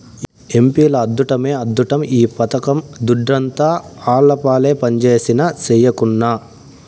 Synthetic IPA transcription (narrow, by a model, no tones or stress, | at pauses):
e̞mpiːlɐːd̪ːuʈɐme̞ːɐd̪ːuʈɐmiːpɐt̪ɐkɐmd̪uɖɾɐnt̪aːaːɭːɐpaːle̞ːpɐɲt͡ʃe̞ːsinɐt͡ʃɛjɐkunːa